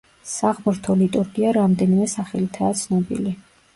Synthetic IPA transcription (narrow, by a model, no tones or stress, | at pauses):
saʁmɾt̪ʰɔlit̪ʼuɾɡiaɾamd̪ɛnimɛsaχɛlit̪ʰaːt̪sʰnɔbḭli